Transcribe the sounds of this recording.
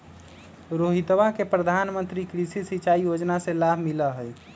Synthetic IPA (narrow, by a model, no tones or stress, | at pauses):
ɾoɦit̪ʋakepɾəd̪ʱanmənt̪ɾikɾisisit͡ʃaijod͡ʒnasẽlabʱmiləɦəj